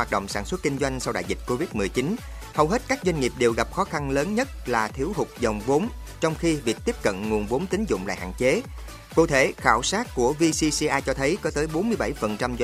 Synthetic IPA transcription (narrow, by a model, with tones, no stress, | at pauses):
haː˨˩t̚ɗə̰˧˨wŋ͡msaː˧˩nswt̚ki˧ŋ̟zwa˧jŋ̟sa˧wɗa̰ː˧˨jzi˨˩t̚ko˧vi˦˥t̚m˨˩əjt͡ɕi˨˦n | hə˨˩wɦe˦˥t̚kaː˦˥k̚zwa˧jŋ̟ŋi˨˩əp̚ɗe˨˩wɣa˨˩p̚xɔ˨˦xa˧nləː˨˦nɲə˦˥t̚laː˨˩t̪ʰi˨˦əwɦʊ˨˩k͡p̚zə˨˩wŋ͡mvo˨˦m | t͡ɕɔ˧wŋ͡mxi˧vi˨˩k̚t̪i˦˥əp̚kə̰˧˨nŋu˨˩ənvo˨˦mt̪i˨˦ŋ̟zʊ̰˧˨ŋ͡mla̰ː˧˨ha̰ː˧˨nt͡ɕe˨˦ | kṵ˧˨t̪ʰe˧˩xaː˧˩wsaː˦˥t̚ku˧˩əvi˧si˧si˧ʔaː˧t͡ɕɔ˧t̪ʰə˨˦jkɔ˨˦t̪əː˨˦jɓo˨˦nmɨ˧əjɓa˧˩jfə˨˩nt͡ɕa˧mz